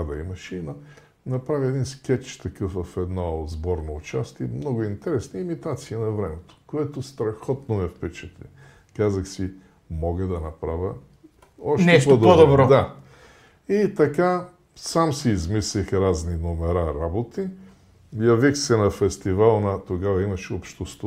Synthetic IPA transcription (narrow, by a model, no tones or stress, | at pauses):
d̪ɐimɐʃinɐ | nɐpɾaviɛd̪inskʲɛt͡ʃt̪ɐkɤfvɐfɛd̪nɔzbɔɾnoʊt͡ʃast̪iɛmnɔɡʊint̪ɛɾɛsniimit̪at̪siənɐvɾɛmɛt̪o̥koɛt̪ost̪ɾɐxɔt̪nomɛfpɛt͡ʃɛt̪lḭ | kazɐxsi | mɔɡəd̪ɐnɐpɾavʲə | ɔʃtnɛʃp̪od̪od̪obɾɔd̪a | it̪ɐka | samsiːzmislixɾazninomɛɾaɾabot̪i | jɐvixsɛnɐfɛst̪ivalˠnat̪oɡavɐimɐʃɛopʃt̪ost̪